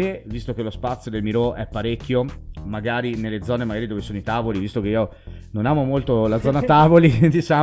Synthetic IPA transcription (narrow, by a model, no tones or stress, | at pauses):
evist̪okelospat̪sːjod̪elmiɾoʔɛpːaɾekʰʲːjomaɡaːɾinelːed̪zɔːnemaɡaːɾid̪oːvesoːnoit̪aːvolivist̪ok̟eiːo | nonaːmomolt̪olad̪zːɔːnat̪aːvolid̪it͡ʃa